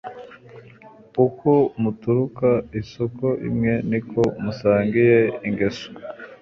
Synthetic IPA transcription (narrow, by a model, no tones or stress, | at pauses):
ukʰomutuɾukaiso̞ko̞ʔḭmŋe̞nikʰo̞musaːŋɡije̞iŋɡeso̥